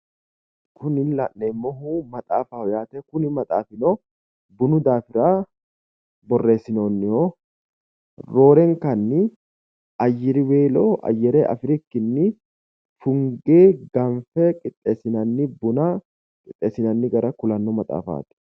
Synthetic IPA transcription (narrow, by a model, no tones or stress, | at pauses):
kʊnɪnlɐ̰ʔnɛmːoɦumɐt̪ʼa̰ːfahɔjaːt̪ɛkʊnɪmɐt̪ʼaːfɪnoː | bʊnʊd̪aːfɪɾaː | bɔrːe̞ːsːɪno̞ːnːɪho | ɾo̞ːɾɛŋkɐnːɪ | ɐjːɪɾɪweːloʔɐ̰jːɛɾeʔɐ̰fɾɪkːɪnːɪ | fʊŋɡeːɡɐɱfɛkʼɪt̪ʼːeːsɪnɐnːɪbʊna | kʼɪt̪ʼːeːsːɪnɐnːɪɡɐɾɐkʊlɐnːɔmɐt̪ʼa̰ːfa̰ːt̪ɪ̥